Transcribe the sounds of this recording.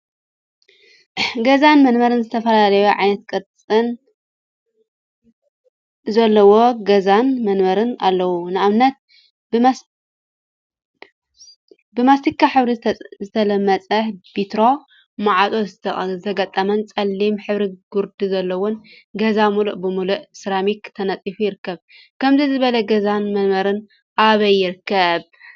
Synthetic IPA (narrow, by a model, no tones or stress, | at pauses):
ɡɐzanmɐnmɐɾɨnzɨt̪ʰɐfɐlalɐjuʕajnɐt̪̚kʼɨt̪t͡sʼɨn | zɐlːɐwo̞ɡɐzanmɐnmɐɾɨna̰lːɐwunɨʔaβnɐt̪̚ | bɨ | bɨmast̪ʰikʰːaħɨβɾizɨt̪ʰɐlɐmːɐt͡sʼɐħb̥it̪ɾo̞ | maʕat̪ʼoɐt̪ʰɐɡɐt̪ʼːɐmɐnt͡sʼɐlːimħɨβɾiɡuɾd̪izɐlːɐwon | ɡɐzamuluʔbɨmuluʔsɾamikt̪ʰɐnɐt͡sʼifujɪɾɨkːɐβ | kʰɐmzizɨβɐlɐɡɐzanmɐnmɐɾɨn | ʔaβɐjːɪɾɨkːɐβ